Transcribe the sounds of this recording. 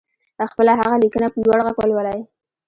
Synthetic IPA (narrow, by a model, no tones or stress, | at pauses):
laxpəlaɦaɣalikənapəlwaɽɣaɡwalwalaj